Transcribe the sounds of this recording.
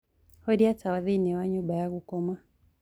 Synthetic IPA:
hɔdiatawaðinɛwaɲubajakukɔmwa

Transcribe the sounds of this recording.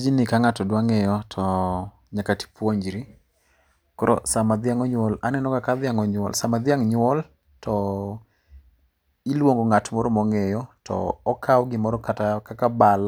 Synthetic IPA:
d͡ʒinɪkaŋatɔdwaŋejɔtʰɔ | ɲakati̥pwoɲd͡ʒɾi | kɔɾɔ̰samad̪ɪaŋɔɲwɔlanɛnɔkakad̪ɪaŋɔɲwɔ̰lsamad̪ɪaŋɲʊwɔl | tʰɔ | ilwoŋɡoŋatmɔɾɔmɔŋejɔtɔ̰ːkʰawɡɪmɔɾɔkatakakabal

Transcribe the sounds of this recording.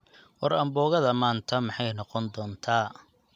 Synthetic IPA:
wɐɾɐmbɔːɣɐðɐmaːnt̪ʰɐmɑħɑjnɔqɔnd̪ɔːnt̪ʰaː

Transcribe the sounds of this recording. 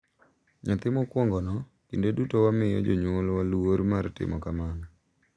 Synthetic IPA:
ɲat̪ɪmɔkwɔŋɡɔnɔ | kindedutowamɪjɔ̰d͡ʒoɲwolwaluwoɾmartɪ̰mɔkaman

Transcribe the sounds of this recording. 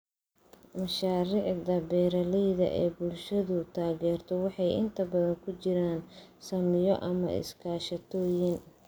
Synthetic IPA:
mɐʃaːɾɪːʕd̪ɐbɛːɾɐlɛjðɐ̰ʔɛːbʊlʃɐðʊt̪ʰaːɣɛːrt̪ʰɔwɑħɑjɪ̰nt̪ʰɐbɐðɐŋkʰʊt͡ʃɪɾaːnsɐmɪjɔʔɐmɐ̰ɪ̰skʰaːʃɐt̪ʰɔːjɪn

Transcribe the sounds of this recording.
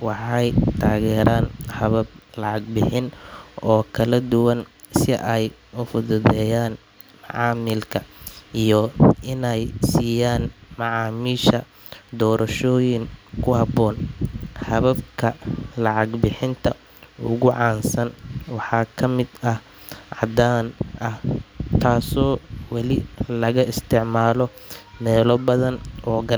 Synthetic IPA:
wɑħɑjt̪ʰaːɣɛːɾaːnhɐβɐb̚lɑʕɑɡ̚bɪħɪnɔːkʰɐlɐd̪ʊwɐn | sɪʔɛj | ʊfʊðʊðɛːjaːn | mɑʕɑːmɪlkʰɐijɔʔɪnɛjsiːjaːnmɑʕɑːmiːʃɐ | d̪ɔːɾʔɐʃɔːjɪŋkʰʊhɐbɔːnhɐβɐbkʰɐlɑʕɑɡbɪħɪnt̪ʰɐ | ʊɣʊʕɑːnsɐnwɑħɑːkʰɐmɪd̪ɐh | ʕɑd̪aːnʔɐht̪ʰaːsɔːwɑlɪlɐɣɐɪst̪ʰɪʕmaːlɔ | mɛːlɔbɐðɐnʔɔːɡɐ

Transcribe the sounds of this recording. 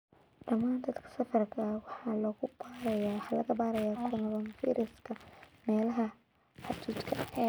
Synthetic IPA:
ɖɐmaːnd̪ɐd̪kʰɐ̥sɐfɐrkʰɐwɑħɑːlɔːɣʊbaːɾɐjaːwɑħɑːlɐɣɐbaːɾɐjaːkʰʊnɐβɐnfḭːɾɪskʰɐmɛːlɐɦɐ | ħɑt͡ʃiːt͡ʃ̪kʰɐʔɛː

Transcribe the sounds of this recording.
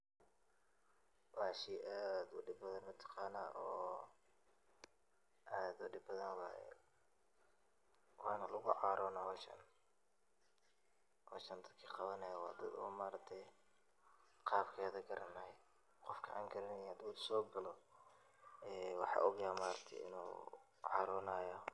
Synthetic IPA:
wɑːʃiʔaːd̪ʊɖɪbbɐðɐnmɐt̪ʰɑ̥qɑːnaːʔɔː | ʔaːd̪ʊɖɪbbɐðɐnwɑ̰ | wɑːnɐlʊɣʊʕɑːɾʔɔːnɐhɔʃɐ̰n | hɔ̰ːʃɐnd̪ɐd̪kʰiːqɑβɐnɐjɐwɑːd̪ɐd̪ṵːmaːɾɐk̚t̪ʰɛj | qɑːbkʰɛːðɐɡɐɾɐnɐj | qɔfkʰɐʕa̰ːŋɡʰɐɾɪnɐjhɐd̪uːlsɔːɡɐlɔ | ɛːwɑħɑ̰ːʔʊɣjaːmaːɾɐk̚t̪ʰɛ̰jɪ̰nṵː | ʕɑ̰ːɾɔnaːjɔ

